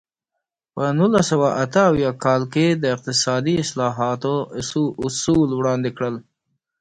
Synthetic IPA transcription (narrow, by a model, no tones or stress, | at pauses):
pənulasawaʔat̪əawjɑkɑlked̪əɪq̚t̪ɪsɑd̪iɪslɑɦɑt̪oʊsulwɽɑnd̪ekɽəl